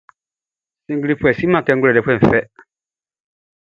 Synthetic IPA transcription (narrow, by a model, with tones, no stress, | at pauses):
sĩ˨ŋɡi˦ɾi˦pʰu˦ɛ˨si˦mã˨kɛ˦ŋ˦ɡʊ˦ɾɛ˨dɛ˨pʰɛ̃˦˨m̩˨fɛ˦